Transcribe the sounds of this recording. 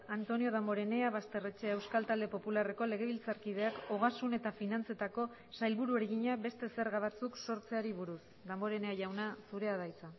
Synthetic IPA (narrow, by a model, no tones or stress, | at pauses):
ant̪o̞nio̞ð̞ambo̞ɾe̞ne̞aβast̪e̞re̞t͡ʃeewskalt̪ald̪e̞po̞pulare̞ko̞le̞ɣ̞e̞β̞ilt͡saɾkiðe̞ako̞ɣ̞asune̞t̪afinant͡se̞t̪ako̞ | sajlβuɾue̞ɾeɣiɲaβe̞st̪e̞se̞ɾɣaβat͡sukso̞ɾt͡se̞aɾiβuɾus | d̪ambo̞ɾe̞ne̞aʝawnasuɾe̞aðajt͡sa